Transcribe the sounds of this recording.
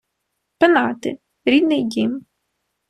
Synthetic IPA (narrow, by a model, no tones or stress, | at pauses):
penɑt̪ɪ̰ | ɾʲid̪nɪjdʲim